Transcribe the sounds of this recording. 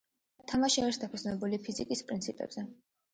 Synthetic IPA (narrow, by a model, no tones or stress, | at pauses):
t̪ʰamaʃiaɾiɾsd̪apʰɛsnɛbulipʰizikʼispʼɾint̪sʰipʼɛ̰b̥z̥ɛ